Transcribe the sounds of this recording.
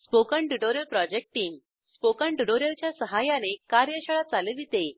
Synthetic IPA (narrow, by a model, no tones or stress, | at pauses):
spokəɳɖiɖoɾjəlpɾɔd͡ʑek̚ʈʈːiːm | spokəɳɖiʈoɾjəlt͡ɕjasəɦajanekaɾjəɕəɭat͡saled̪it̪e